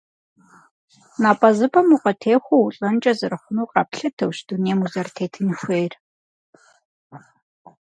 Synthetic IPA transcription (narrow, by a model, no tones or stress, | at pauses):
naːpʼɐzɨpʰɐmuqɐtʰeːxʷɐwuɬʼɐnt͡ʃʼɐzɨɾɨχʷʊnuːqʼɑːpɬɐtʰɐwʃd̥uneːmuzɐrtʰeːtʰɨnxʷeːr